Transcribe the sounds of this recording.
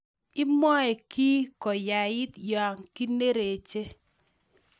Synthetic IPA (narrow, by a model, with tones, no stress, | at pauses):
ɪ˦mɔ˦ɛ˨ki˦kɔ˨ja˨ɪ˦t̪ja˨ŋki˦ne˦ɾe˨t͡ʃe˦